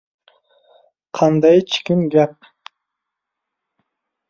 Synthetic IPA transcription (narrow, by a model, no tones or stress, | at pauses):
qʰɑnd̪ɑjt͡ʃʰi̥kʲɪmɡʲɛp̚